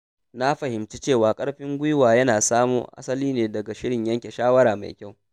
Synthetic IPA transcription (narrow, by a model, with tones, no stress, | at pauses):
na˦ɸɐ˨hɪ˨mt͡ʃi˦t͡ʃeː˦˨waː˨kʼɐ˦ɽɸɪ˦ŋɡʷʊ˦jwaː˨jɐ˦naː˨saː˦mṵː˦ʔa̰˦sɐ˦liː˦neː˨dɐ˨ɡa˨ʃɪ˦ɽɪ˨ɲjɐ˦ŋkʲe˨ʃaː˦wɐ˦ɾaː˨ma̰˨jkʲa˦˨w